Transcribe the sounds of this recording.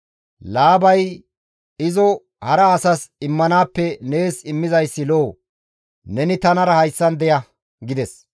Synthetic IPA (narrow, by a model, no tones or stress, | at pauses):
laːbɐj | ɪzɔ | hɐɾɐːsɐsɪmːɐnaːpːɛne̞ːsɪmːɪzɐjsːɪloː | nɛnɪt̪ɐnɐɾɐhɐjsːɐnd̪ɛjɐ | ɡɪd̪ɛs